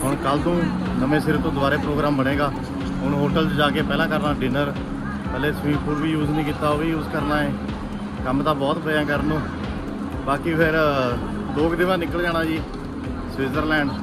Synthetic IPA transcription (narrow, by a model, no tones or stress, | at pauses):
ɦʊɳ̃kəlt̪õː | nəmẽːsɪɾt̪õːd̪ʊaːɾeːpɾoːɡɾaːmbəɽ̃eːɡaː | ɦʊñɦoːʈəld͡ʒd͡ʒaːkeːpɛːlãːkəɾnaːɖɪnəɾ | pəleːsʋĩːmpʰʊːɾʋiːjuːznəĩːkɪt̪aːoːʋiːjuːzkəɾnaːẽː | kəmt̪ãːbɔːt̪pəjãːkəɾnõː | baːkiːpʰɪɾ | loːkd̪ɪʋãːnɪkəld͡ʒaːɽ̃aːd͡ʒiː | sʋiːzəɾlɛ̃ːɳɖ